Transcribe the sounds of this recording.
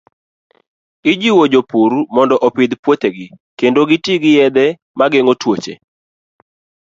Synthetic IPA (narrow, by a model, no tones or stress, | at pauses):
ɪd͡ʒiwod͡ʒopuɾumɔndɔʔɔpɪd̪pwot̪eɡɪkendoɡɪtiɡɪjɛd̪ɛ | maɡeŋotwot͡ʃḛ